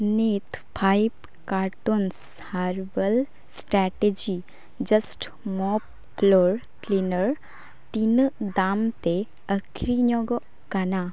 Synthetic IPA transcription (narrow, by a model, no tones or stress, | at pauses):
nit̪pʰajb | kaːɾʈons | haɾʋəl | sʈɾaʈed͡ʒi | d͡ʒɐsʈ | mɔpː | loɾ | klinəɾ | t̪ind̪aːmt̪e | əkʰɾiɲɔɡɔ | kana